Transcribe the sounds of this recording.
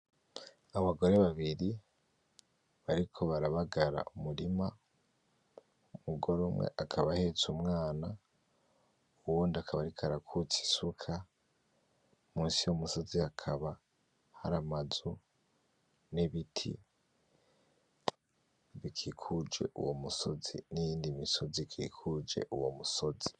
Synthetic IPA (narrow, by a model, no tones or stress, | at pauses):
aβaɡo̞ɾe̞βaβiɾi | βaɾikʰo̞βaɾaβaɡaɾa̰ʔumuɾima | umuɡo̞ɾomwe̞̰ʔakʰaβahe̞t͡sumŋaːna | uwuːndiakʰaβaɾikʰaɾakʰut͡si̥sukʰa | muːnsijomuso̞ziakʰaβa | ha̰ɾamazo | neβitʰḭ | βikʰikʰud͡ʒe̞̰ʔṵwo̞̰muso̞zḭnijiːndimiso̞zikʰḭːkʰud͡ʒe̞̰ʔuwo̞̰muso̞zi̥